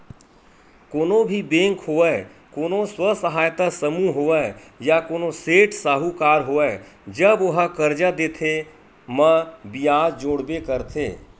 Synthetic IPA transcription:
koːnõbʱibẽːŋkhoːɛ | koːnõswəsəɦaːjt̪asəmuɦoːɛ | jakoːnoseːʈʰsaːɦukaːɾɦoːɛːd͡ʒəbʊɦəkəɾd͡ʒad̪eːt̪ʰe | məbijaːd͡ʒd͡ʒoːɽbekəɾt̪ʰḛː

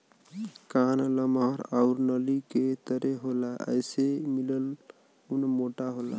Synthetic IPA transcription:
kanləmɦəɾaʊɾnəliket̪əɾeɦolaə̰jsemiləl | unmoʈaɦola̰

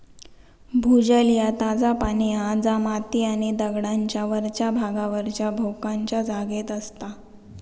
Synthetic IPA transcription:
bʱud͡ʑəljat̪ad͡zapañiːãd͡zamat̪iːaɽ̃id̪əɡɽaɲt͡ɕjaʋəɾt͡ɕjabʱaɡaʋəɾt͡ɕjabʱokãɲt͡ɕjad͡zaɡet̪əst̪a

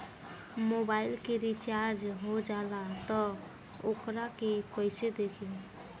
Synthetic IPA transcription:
mobailkeɾit͡ʃaɾd͡ʒɦod͡ʒalat̪ɔ | okɾakekɔjsed̪ekʰin

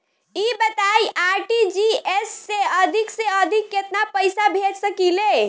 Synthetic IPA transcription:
ibət̪aiʔaɾʈid͡ʒiesːeəd̪ʱikseəd̪ʱikːet̪napəjsabʱed͡ʒsəkile

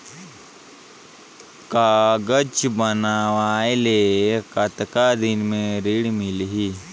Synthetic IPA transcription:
kaːɡət͡ʃbənaːʋaːelekɐt̪kad̪ɪnmẽɾiɽmɪlɦi

